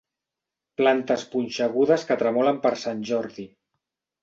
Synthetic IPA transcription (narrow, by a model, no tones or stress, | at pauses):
plant̪əspunʲʃəɣ̞uðəskət̪ɾəmɔləmpəɾsanʲʒɔɾði